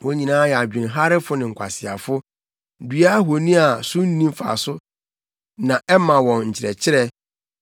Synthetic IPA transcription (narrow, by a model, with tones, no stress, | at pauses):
wɔ̃˦ɲĩ˨nãː˦jɛ˨a˨d͡ʑᶣĩ˨nɦa˦ɾɪ˦fʊ˦nɪ̃˨ŋ̩˨kʷʰa̰˨sɪ˨a̰˨fʊ˦ | dɥa˦ɦo˨nĩ˦a˨sʊ̃˦n̩˦nĩ˦m˦fa̰˨sʊ˦ | nã˨ʔɛ˦mã˨wɔ̃˨nɲ̩˨t͡ɕʰɪ˨ɾɛ̰˨t͡ɕʰɪ˦ɾɛ˦